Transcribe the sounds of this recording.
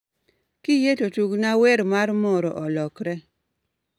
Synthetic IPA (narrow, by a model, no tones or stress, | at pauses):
kɪjetotuknaweɾmaɾmɔɾɔ̰ʔɔlɔkɾɛ